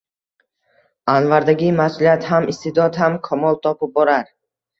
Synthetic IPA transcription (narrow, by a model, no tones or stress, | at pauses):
anvaɾd̪aɡʲimasulijat̪hamist̪ʰed̪ɒd̪hamkʰamɒlˠt̪ʰɒpʰip̚bɒɾaɾ